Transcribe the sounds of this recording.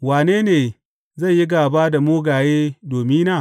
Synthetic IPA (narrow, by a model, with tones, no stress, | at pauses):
waː˨neː˦neː˨ | zɐ˦˨jji˦ɡaː˨baː˦da˨moː˦ɡaː˨jeː˦doː˨mi˦naː˦˨